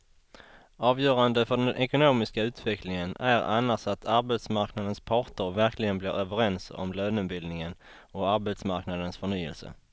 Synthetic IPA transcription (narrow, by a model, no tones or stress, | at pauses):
ɑːvjœːɾand̪əfœɖɛnʔɛkʊnoːmɪskaʉ̟ːt̪vɛklɪŋənæɾa̰nːaʂat̪ʰaɾbɛt̪smaɾknad̪ənspʰɑːʈəɾvæɾklɪɡənblɪ̰ɾøːvəɾɛnsɔ̰mløːnɵnbɪld̪nɪŋən | ɔaɾbɛt̪smaɾknad̪ənsfœɳyːə̰lsə̰